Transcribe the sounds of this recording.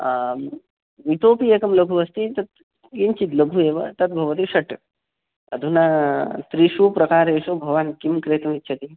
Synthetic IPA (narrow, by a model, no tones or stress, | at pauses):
ʋit̪oːpieːkɐmlɐɡʱuɐst̪it̪ɐt̪ | int͡ʃit̪lɐbʱueːʋɐ̰t̪ɐt̪̚bʱɐʋɐt̪iʂɐʈ | ɐ̰d̪ʱunat̪ɾiʂupɾɐkaːɾeːʂubʱɐʋaːnkimkɾeːt̪ɐmitːʃʰɐt̪i